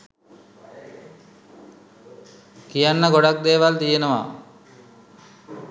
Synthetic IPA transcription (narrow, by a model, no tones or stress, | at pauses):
kijanːəɡoɖak̚d̪eːʋalt̪ijenoʋa̰